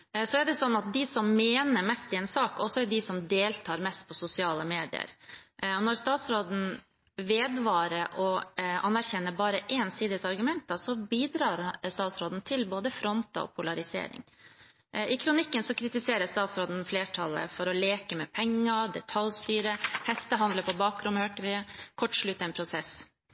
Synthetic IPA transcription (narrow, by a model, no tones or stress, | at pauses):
sɔæɖɛsɔnːɑt̪̚d̪ɪsɔmːeːnəɾmɛst̪ɪɛnsɑːkɔsɔɛɖɪsɔmd̪eːlt̪ʰɑːɾmɛst̪̚pʰɔsʊsɪɑːləmeːd̪ɪ̰ə̰ɾɔnɔɾst̪ɑːt̪sɾoːd̪n̩ | ʋeːd̪ʋɑːɾəʔɔɑnːæɾçɛnːəbɑːɾəʔeːnsiːd̪əsɑɾɡʉmɛnt̪̚d̪ɑsɔbiːd̪ɾɑːɾst̪ɑːt̪sɾoːd̪n̩t̪ʰɪlboːd̪əfɾɔnt̪ɑ̰ɔ̰pʰʊlɑɾɪsḛːɾɪ̰ŋ | ɪkʰɾʊnɪkːənsɔkʰɾɪt̪ɪseːɾəst̪ɑːt̪sɾoːd̪n̩fleːʈʰɑlə̰fɔɾɔleːkəmɛpʰɛŋːəɖɛt̪ʰɑlst̪yːɾəhɛst̪əɦɑnd̪ləpʰɔbɑːkɾʉnhøːʈəʋɪkʰɔʈːʂɭʉt̪ːɛnpʰɾʊsɛs